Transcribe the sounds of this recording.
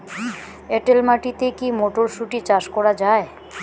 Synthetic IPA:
eʈelmaʈit̪ekimoʈoɾʃuʈit͡ɕaʃkɔɾad͡ʑae

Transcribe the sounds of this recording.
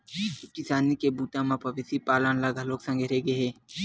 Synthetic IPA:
kɪsaːnikebuːt̪ãmãpɐʋɪsipaːlənlaɡaloːksə̃ŋɡʱeɾeɡeɦeː

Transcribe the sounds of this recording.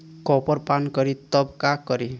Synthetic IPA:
kɔpɔɾpankɔɾit̪ʌbkakɔɾi

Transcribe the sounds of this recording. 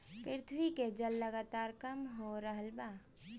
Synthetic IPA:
pɾɪɾɪt̪ʰwiked͡ʒəlːəɡaːt̪aːɾkəmɦoɾəɦəlba

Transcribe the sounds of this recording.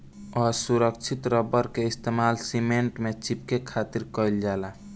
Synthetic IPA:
ɔɾsuɾək̚t͡ʃʰit̪ɾəbəɾkeist̪emalsimeɳʈmet͡ʃip̚kekʰat̪iɾkəjld͡ʒala

